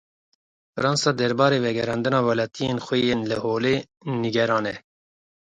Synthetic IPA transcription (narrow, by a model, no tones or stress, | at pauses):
fɨɾɑːnsɑːd̪ɛɾbɑːɾeːvɛɡɛɾɑːnd̪ɨnɑːwɛlɑːt̪ʰijeːnxʷɛjeːnlɨhoːleː | niɡɛɾɑːnɛ